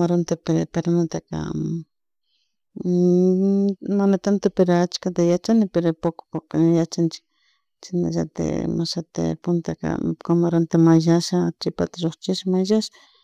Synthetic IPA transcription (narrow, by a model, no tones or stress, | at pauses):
maɾont̪epeɾpeɾnat̪aka̰ | manat̪ant̪apeɾoat͡ʃkat̪ajat͡ʃanɪpeɾopokʊ̥poknjat͡ʃant͡ʃɪ̥ | t͡ʃɪna̰ʒat̪ḛmaʃat̪ḛpʊnt̪aka̰kamaɾont̪amaʒaʃat͡ʃɪpat̪aʒoχt͡ʃɪʃamaʒaʃḁ